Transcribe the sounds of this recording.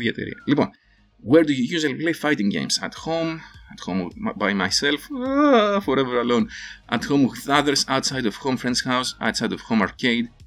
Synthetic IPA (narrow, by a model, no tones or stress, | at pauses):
ðiɛt̪ḛɾḭɐ̰lipɔ̰̃n | wɛɹd̪ujujʉzəlipleɪfajtɪ̃ŋɡḛ̃ɪ̃msɐ̰thõmɐthõmbajmajsɛlˠf | fɔɾɛvəɹɐlõnʔɐ̰thõʊ̃mɪθʌðə˞zaʊtsajdɔv̥hõmfɹɛ̃ndz̥haʊsa̰ʊtsajdɔv̥hõmaɹkʰeɪd